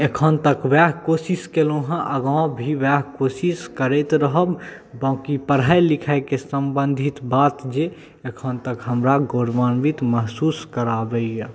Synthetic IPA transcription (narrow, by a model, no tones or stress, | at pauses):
ekʰənt̪əkwɛɦkosiskeloɦə̃ʔəɡãw̃bʱiʋɛɦkosiskəɾɛt̪ɾəɦəb | bãːkipəɽɦajlikʰakesəmbənd̪ʱit̪bat̪d͡ʒe | ekʰənt̪əkɦəmɾaɡoɾʋənbit̪məɦsuskəɾabɛjə